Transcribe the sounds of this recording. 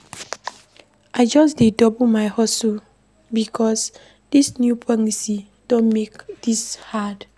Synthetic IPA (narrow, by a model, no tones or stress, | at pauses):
ʔaɪd͡ʒɔs̬dedɔbumajhɔso | bikʰɔs | d̥isnjupʰaŋisi | d̥õnmekd̥ishad